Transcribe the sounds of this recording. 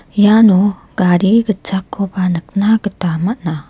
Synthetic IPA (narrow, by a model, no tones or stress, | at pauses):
januɡ̥aɾiɡət͡ʃakːopanək̚naɡətamaʔna